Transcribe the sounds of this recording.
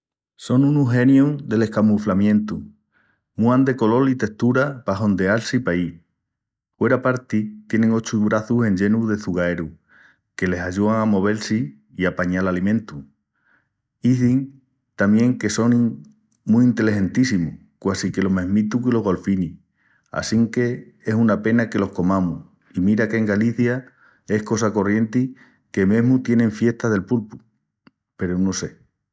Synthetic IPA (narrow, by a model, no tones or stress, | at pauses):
so̞nũnuɦe̞njuŋd̪e̞le̞hkamuflamjẽ̞nt̪u | muand̪e̞ko̞lo̞lit̪e̞ht̪uɾapaɦo̞nd̪e̞alsipai | fwe̞ɾapaɾt̪it̪je̞ne̞ŋo̞t͡ʃuβɾaθuse̞ɲd͡ʒe̞nuðe̞θuɣae̞ɾu | ke̞le̞saʎuaŋamo̞β̞e̞lsi | iapaɲalalimẽnt̪u | iθiŋ | t̪amjẽ̞ŋke̞so̞niŋ | muːnt̪e̞lehẽ̞nt̪isimu | kwasike̞lo̞meɦmit̪ukilo̞ɦɣo̞lfini | a̰siŋke̞ | esunape̞nake̞lo̞hko̞mãmuh | imiɾake̞ŋɡaliθja | e̞hko̞s̬ako̞rje̞nt̪i | ke̞me̞ɦmut̪je̞nẽ̞ɱfje̞ht̪aðe̞lpulpu̥ | pe̞ɾonose̞